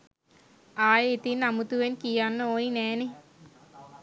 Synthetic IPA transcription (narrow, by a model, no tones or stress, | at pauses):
aːjet̪inamut̪uʋenkijanːəoːinɛːne